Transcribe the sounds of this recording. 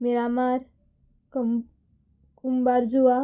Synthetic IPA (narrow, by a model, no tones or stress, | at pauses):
meɾamaɾ | kumbaɾd͡ʒuʋa